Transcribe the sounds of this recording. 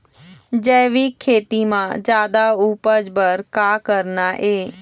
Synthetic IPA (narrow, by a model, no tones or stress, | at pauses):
d͡ʒɛːʋikʰːeːt̪imãd͡ʒjaːd̪aupəd͡ʒbəɾkaːkəɾnaʔeː